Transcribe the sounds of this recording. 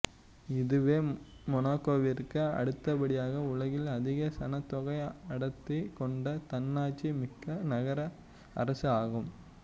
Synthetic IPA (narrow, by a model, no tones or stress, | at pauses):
ɪðɯʋeː | mɔnaːkoːʋɪɾkɯɐ̰ɽɯt̪ːɐpɐɽɪjaːɣɐʊɭɐɣɪlɐðɪɣɐsɐnɐt̪ːɔɣɐɪɐɽɐt̪ːɪkɔɳɖɐt̪ɐnːaːt͡ʃːimɪkːɐnɐɣɐɾɐ | ɐ̰ɾɐsɯaːɣɯm